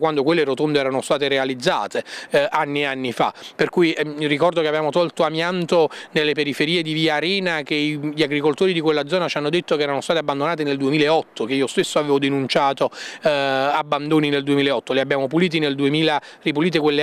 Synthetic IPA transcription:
kwand̪okwelːeɾot̪ond̪eɛːɾanost̪aːt̪eɾealid̪zːa̰ːt̪eanːieanːifa̰perkujrikɔrd̪okeavbjaːmot̪ɔlt̪oamjant̪onelːepeɾifeɾiːed̪iviːaɾɛːnak̟eʎaɡɾikolt̪oːɾid̪ikwelːad̪zːɔːnat͡ʃanːod̪et̪ːokeɛːɾanost̪aːt̪eabːand̪onaːt̪̬eneld̪uemiːlaeɔt̪ʰːokeiːost̪esːoaveːvod̪enunt͡ʃaːt̪o | abːand̪oːnineld̪uemilaeɔt̪ːoleabːjaːmopuliːt̪̬ineld̪uemiːlaripuliːt̪̬ekwelːe

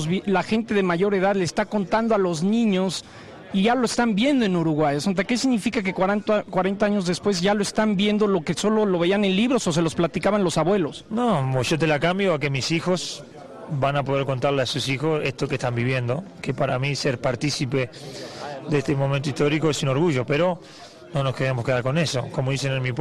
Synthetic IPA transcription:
zβlaxe̞nt̪e̞ðe̞maʝo̞ɾe̞ð̞aðlest̪ako̞nt̪and̪oalo̞znĩɲo̞s | iʝaloest̪ambje̞nd̪o̞e̞nuɾuɣwaʝasont̪̬ake̞s̬iɣnifikak̬e̞kwat̪kwaɾent̪aaɲo̞zðespwe̞zʝaloest̪ambje̞nd̪o̞lo̞keso̞lo̞lo̞βe̞ianenliβɾo̞sos̬e̞lo̞splat̪ikaβanlo̞saβwe̞lo̞snooʒot̪e̞lakambjoake̞misixo̞s | banapo̞ð̞e̞ɾko̞nt̪aɾleasusixose̞st̪okeht̪ambiβje̞nd̪o̞kepaɾamiseɾpaɾt̪isipe̞ | ðeest̪emo̞ment̪oist̪o̞ɾikoesuno̞ɾɣuʒo̞peɾo̞ | no̞no̞skeðemoskeðaɾko̞neso̞̰komoðisenenmip

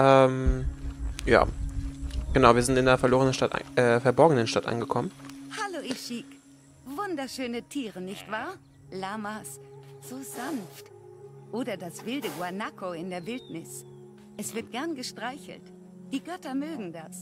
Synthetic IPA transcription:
ʔɛːm | ja̰ː | ɡ̥ənaʊviːɐzɪntɪndeːɐfɛɐloːʁənənta̰tʔa̰ʔɛːfɛɐbɔɐɡənənʃtatʔa̰nɡəkʰɔmənhaloʔɪʃik | vʊndɐʃøːnətʰiːʁənɪçtv̥aːɐ | lamasz̥oːzanftʔoːdɐdasv̥ɪldəɡwanakʰoɪndeːɐvɪltnɪs | ʔɛsv̥ɪɐt̚ɡ̥ɛɐnɡəʃtʁ̥aɪçl̩t | d̥iːɡœtɐmøːɡŋ̩das

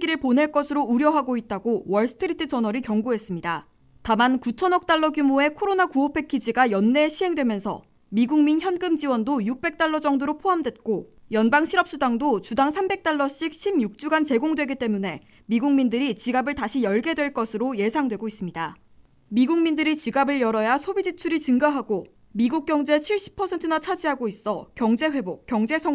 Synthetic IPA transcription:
ɡiɾɯɭpone̞ɭk͈ʌsʰɯɾouɾjʌɦaɡoit̚t͈aɡowʌɭs͈ʰɯ̥tʰɯɾitʰɯt͡ɕʌnʌɾikjʌŋɡuɦe̞s͈ɯmɲida | tamankut͡ɕʰʌnʌk̚t͈aɭːʌɡjumoe̞kʰoɾonakuopʰe̞kʰid͡ʑiɡajʌnːe̞ɕʰiɦe̞ŋdwe̞mjʌnsʰʌ̰ | miɡuŋminçjʌnɡɯmd͡ʑiwʌndojuk̚p͈e̞k̚t͈aɭːʌd͡ʑʌŋdoɾopʰoɦamdwe̞t̚k͈ojʌnbaŋɕʰiɾʌp̚s͈udaŋdot͡ɕudaŋsʰambe̞k̚t͈aɭːʌɕ͈ik̚ɕʰimjuk̚t͡ɕ͈uɡant͡ɕe̞ɡoŋdwe̞ɡit͈e̞mune̞ | miɡuŋmindɯɾit͡ɕiɡabɯɭtaɕʰijʌɭɡe̞dwe̞ɭk͈ʌsʰɯɾoje̞sʰaŋdwe̞ɡois͈ɯmɲida | miɡuŋmindɯɾit͡ɕiɡabɯɭjʌɾʌjasʰobid͡ʑit͡ɕʰuɾit͡ɕɯŋɡaɦaɡo | miɡuk̚k͈jʌŋd͡ʑe̞t͡ɕʰiɭɕ͈i̥pʰʌsʰe̞ntʰɯnat͡ɕʰad͡ʑiɦaɡois͈ʌkjʌŋd͡ʑe̞ɸwe̞bok̚k͈jʌŋd͡ʑe̞sʰʌ

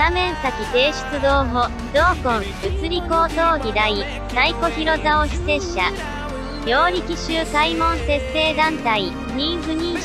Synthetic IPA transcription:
amẽ̞ɰ̃sakʲit̪e̞ːɕi̥t͡sɨd̪o̞ːɦo | d̪o̞ːkõŋ | ɯ̟t͡sɨɾʲiko̞ːt̪o̞ːɡʲid̪ai | saiko̞çiɾo̞zaoɕi̥se̞ɕa | jʲo̞ːɾʲikʲiɕɨːsaimõ̞ñse̞se̞ːd̪ãnt̪ai | ɲʲĩɰ̃ɸɯ̟ɲ̟ĩ

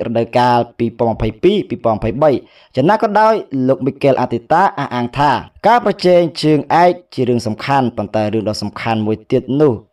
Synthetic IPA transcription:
rɔ̰ɗəwkaːlpiːpoənməpʰəjpiːpiːpoɔənmɑpʰəjɓəj | t͡ɕanːaːkɑːɗaɔjloːk̚miːkeːlʔat̪ʰit̪aːʔahʔaːŋt̪ʰaːkaːprɑt͡ɕɛːŋt͡ɕəːŋʔaɛk̚t͡ɕiəɾɨəŋsɑmkʰanpont̪aɛɾɨəŋɗɑːsɑmkʰanmuəjt̪iət̪̚nʊ̆əh

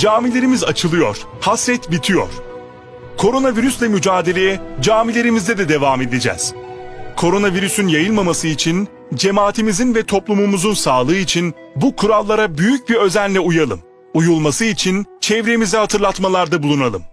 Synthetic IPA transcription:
d͡ʒaːmilʲeɾimizat͡ʃʰɯlˠɯjo̞̰ɾ̥hasɾɛt̪bit̪ʰijo̞̰ɾ̥ | kʰo̞ɾo̞naviɾyslʲɛmyd͡ʒaːd̪e̞lʲejɛd͡ʒaːmilʲe̞ɾimizd̪ɛd̪ɛd̪e̞vaːme̞d̪ed͡ʒɛ̰ːz̥kʰo̞ɾo̞naviɾysynjajɯlˠmamasɯit͡ʃʰin | d͡ʒe̞maːt̪ʰimizinvɛt̪ʰo̞plˠumumuzunsaːlˠɯːit͡ʃʰin | bukʰuɾalˠːaɾabyjyc̚biɾø̞zænlʲɛujalˠɯm | ujulˠmasɯit͡ʃʰint͡ʃʰɛvɾemizɛhat̪ʰɯɾlˠat̪malˠaɾd̪abulˠunalˠɯm

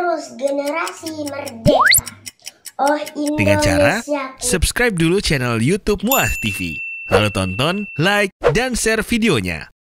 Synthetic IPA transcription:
ɾʊsɡənəɾasimərdesa | ɔhindəŋant͡ʃa̰ɾasupskɾajp̚dulut͡ʃanaljut̪up̚muast̪ifḭla̰lut̪ɔnt̪ɔnlajk̚dansɛrfideoɲa̰

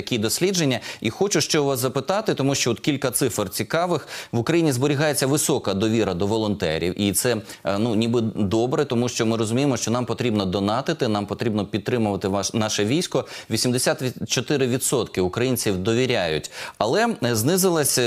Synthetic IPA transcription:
ɐkʲid̪ɔsʲlʲid͡ʒenʲːɐixɔt͡ʃʊʃt͡ʃɛʋɑszɐpɪt̪ɑt̪ɪt̪ɔmuʃt͡ʃɔɔt̪kʲilʲkɐt̪sɪfrt͡sʲikɑʋɪxʋʊkɾɐjinʲizbɔɾʲɪɦɑjet͡sʲːɐʋɪsɔkɐd̪ɔʋʲiɾɐd̪ɔʋɔlˠɔnt̪ɛ̰ɾʲḭwʔit̪sɛnunʲibɪd̪ɔbɾɛt̪ɔmuʃt͡ʃɔmɪɾɔzʊmʲijemɔʃt͡ʃɔnɑmpɔt̪ɾʲibnɔd̪ɔnɑt̪ɪt̪ɪnɑmpɔt̪ɾʲibnɔpʲid̪̚t̪ːɾɪmʊʋɐt̪ɪʋnɑʃɛʋʲijsʲkɔʋʲisʲimd̪esʲat̪t͡ʃɔt̪ɪɾɪʋʲid̪sɔt̪kɪʊkɾɐjinʲt͡sʲiwd̪ɔʋʲiɾʲajʊtʲɐlˠɛznɪzɪlˠɐsʲ

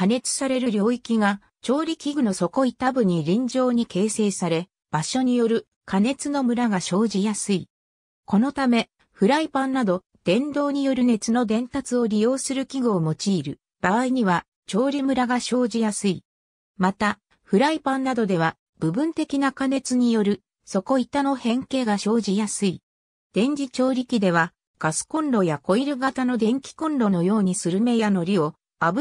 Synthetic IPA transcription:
kane̞t͡sɨ̥saɾe̞ɾɯɾjo̞ːikʲiɡa | t͡ɕo̞ːɾʲikʲiɡɯ̟no̞so̞ko̞it̪abɯ̟ɲ̟iɾʲĩɲ̟d͡ʑo̞ːɲ̟ike̞ːse̞ːsaɾe̞ | b̥aɕo̞ɲ̟ijo̞ɾɯ̟ | kʰane̞t͡sɨno̞mɯ̟ɾaɡaɕo̞ːʑijasɨi | ko̞no̞t̪ame̞ | ɸɯ̟ɾaipãnːad̪o̞ | d̪̥ẽ̞nd̪o̞ːɲ̟ijo̞ɾɯ̟ne̞t͡sɨno̞d̪ẽ̞nt̪at͡sɨo̞ɾʲijo̞ːsɨɾɯ̟kʲiɡɯːmo̞t͡ɕiːɾɯ̟ | b̥aaiɲ̟iβ̞a | t͡ɕo̞ːɾʲimɯ̟ɾaɡaɕo̞ːʑijasɨi | mat̪a | ɸɯ̟ɾaipãnːad̪o̞d̪e̞β̞a | b̥ɯ̟bɯ̟̃nt̪e̞kʲinakane̞t͡sɨɲ̟ijo̞ɾɯ̟ | so̞ko̞it̪ano̞hẽ̞ŋke̞ːɡaɕo̞ːʑijasɨi | d̪̥ẽ̞ɲ̟d͡ʑit͡ɕo̞ːɾʲikʲid̪e̞β̞a | ɡ̥asɨ̥kõ̞nɾo̞jako̞iɾɯ̟ɡat̪ano̞d̪ẽ̞ŋkʲi̥kõ̞nɾo̞no̞jo̞ːɲ̟isɨɾɯ̟me̞jano̞ɾʲio̞ | abɯ

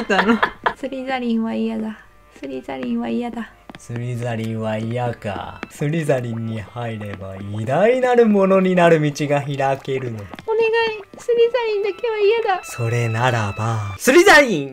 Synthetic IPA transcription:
t̪ːanosɨɾʲizaɾʲĩɰ̃βaijad̪a | sɨɾʲizaɾʲĩɰ̃βaijad̪a | sɨɾʲizaɾʲĩɰ̃βaijaka̰sɨɾʲizaɾʲĩɲ̟ːihaiɾe̞ba̰id̪ainaɾɯ̟mo̞no̞ɲ̟inaɾɯ̟mʲit͡ɕiɡaçiɾake̞ɾɯ̟noone̞ɡai | sɨɾʲizaɾʲĩnd̪akeβaijad̪aso̞ɾe̞naɾabasɨɾʲizaɾʲĩŋ

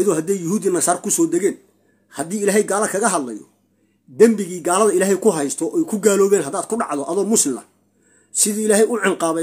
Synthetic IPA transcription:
jɐðɔːhɐd̪ɛjːʊhuːd̪inɐsaːrkʰʊsɔːd̪ɛɣɛːn | hɐd̪iːɪlaːɦɛjɡaːlɐkʰɐɣɐɦɐd̪lɐ̰jɔ̰ | d̪ɐmbɪɣiːɡaːlɐðɐɪlaːɦɛjkʰʊɦɐjst̪ʰɔʔɛjkʰʊɡaːlɔːβɛːnɦɐd̪aːd̪̚kʰʊɖɑ̰ʕðɔʔɐðɔːmʊslɪmlɐ̰ | sɪðiːɪlaːɦɛjʊʕɪŋqɑːβɛ

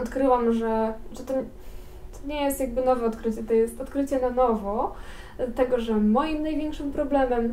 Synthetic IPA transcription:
ɔt̪kɾɘwamʐɛʐɛt̪ɔɲ | t̪ʰɔ̥ɲɛjest̪jaɡ̚bɘnɔvɛɔt̪kɾɘt͡ɕɛt̪ɔjɛst̪ɔt̪kɾɘt͡ɕɛnanɔvɔ | t̪ɛɡɔʐɛmɔjimnajvʲjɛŋkʂɘmpɾɔblɛmɛm

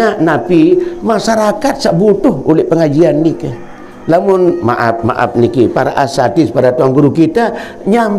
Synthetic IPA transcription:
aʔnapimasaɾakat̪̚saʔbut̪ʊholɛhpəŋad͡ʒianːika | lamʊnma̰ʔap̚ma̰ʔa̰p̚nikipaɾa̰ʔasat̪ɪspadat̪uaŋɡuɾukit̪a | ɲam

